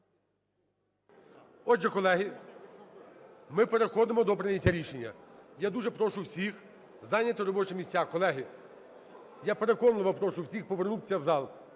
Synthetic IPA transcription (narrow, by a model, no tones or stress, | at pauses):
ɔd͡ʒɛkɔlˠɛɦi | mɪpeɾexɔd̪ɪmɔd̪ɔpɾɪnʲɐtʲːɐɾʲiʃenʲːɐjad̪uʒɛpɾɔʃʊwsʲix | zɑnʲːɐt̪ɔɾɔbɔt͡ʃɪmʲisʲtʲakɔlˠɛɦɪ | japeɾekɔnlˠʋɐpɾɔʃʊwsʲixpɔʋernusʲɐwzɑlˠ